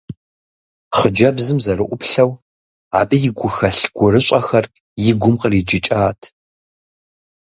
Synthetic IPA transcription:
χəd͡ʒɐbzɨmzɐrɨʔʷʊpɬɐw | a̰ːbɨjɪɡʷʊxɐɬɡ̥ʷʊrɨɕʷʼɐxɐr | jɪɡʷʊmqərid͡ʒɪt͡ʃʼaːtʰ

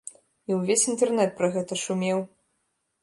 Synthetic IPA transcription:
iwvʲesʲint̪ɛrnɛt̪̚pɾɐɣɛt̪ɐʂumʲɛw

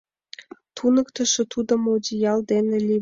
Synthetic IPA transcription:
t̪ʰunə̆kt̪ə̆ʃĕt̪ud̪ŏmod̪ʲijɑld̪enĕlʲi

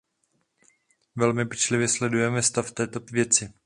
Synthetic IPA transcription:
vɛlmɪpɛt͡ʃlɪvjɛslɛdujɛmɛst̪aft̪ɛːt̪ovjɛt͡sɪ

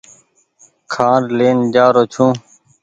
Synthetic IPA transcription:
kʰãːɾleːnd͡ʒaːɾoːt͡ʃʰũː

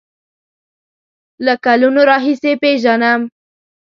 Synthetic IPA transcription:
lakalunoɾɑɦisepeʒanam

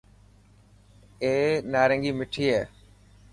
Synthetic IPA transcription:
eːnaːɾə̃ŋɡiːmɪʈʰiːɦeː

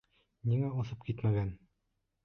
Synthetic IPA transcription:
niŋæoθɤp̚kit̪mæɡæn

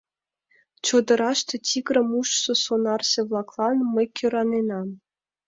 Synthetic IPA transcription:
t͡ɕod̪ɤ̆ɾɑʃt̪ĕtʲikɾə̆muʃsosonɑrsĕβlˠɑklˠɑnməjkʲʰøɾɑnenɑm

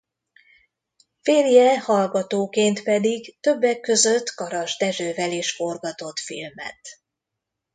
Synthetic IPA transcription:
feːrjɛhɒlɡɒt̪oːkeːnt̪pɛd̪iɡt̪ø̞bːɛkːø̞zø̞t̪ːkɒɾɒʒd̪ɛʒøːvɛleːʃfo̞rɡɒt̪o̞t̪fḭlmɛ̰t̪

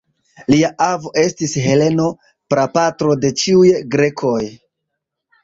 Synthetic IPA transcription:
liaʔavo̞ʔe̞stisɦe̞le̞no̞ | pɾapatɾo̞de̞t͡ʃiujɡɾe̞kʰo̞j

